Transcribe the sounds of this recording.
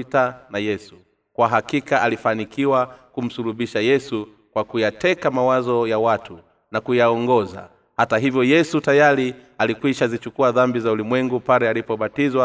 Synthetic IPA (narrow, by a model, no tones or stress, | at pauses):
tanajɛsu | kwaɦakikaʔalifanikiwakum̩suluɓiʃajɛsu | kwakujatɛkamawazɔjawatʰu | nakujaɔŋɡɔza̰ | hataɦivjɔjɛsutajaɾialikwiʃazit͡ʃukuaðambizaulimwɛŋɡupaɾɛalipɔɓatizwa